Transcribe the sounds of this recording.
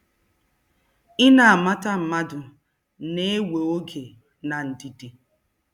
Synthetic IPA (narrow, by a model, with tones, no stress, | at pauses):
ɪ˦na˨a˨ma˦ta˦m̩˨ma˦dʊ˨ | ne˦e˦we˨o˦ɡe˨ | na˨n̩˨di˨di˨